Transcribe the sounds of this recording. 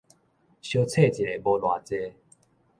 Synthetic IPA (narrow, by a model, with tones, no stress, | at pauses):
ɕjo˧t͡sʰe˥˨t͡ɕi˨le˨˦bo˧lwa˨t͡se˧˦